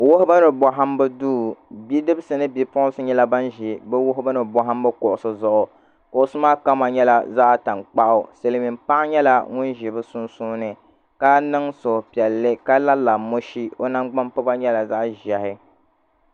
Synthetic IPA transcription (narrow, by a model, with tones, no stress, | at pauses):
wo˦hʊ˦bɨ˦nɨ˨bɔ˨ɦa˦m˦bɨ˦duː˦˨bi˦dɨ˦bsɨ˨nɨ˦bi˦pʊ˦ʔsɨ˦ɲɛ˦la˦ba˦nʒi˨bɨ˦wʊ˦ɦʊ˦bɨ˦nɨ˨bɔ˨ɦa˦m˦bɨ˦ko˨ʔʊ˨sɨ˦zʊ˦ʔʊ˨ | kʊ˨ʔʊ˨sɨ˦maː˦ka˦ma˨ɲɛ˦la˨za˦ʔta˨ŋk͡pa˦ʔʊ˨se˨lmi˨mpa˦ʔɪ˦ɲɛ˦la̰˦ŋʊ˦nʒi˨bɨ˦sʊ˦nsuː˦nɨ˨ | ka˦nɨ˦ŋso˨pi˨ɛ˨lːɨ˦ka˦la˦la˨mo˦ʃi˦o˦na˦ŋɡ͡ba˦mpɨ˦ba˦ɲɛ˦la˨za˦ʔʒɛ˨hɪ˦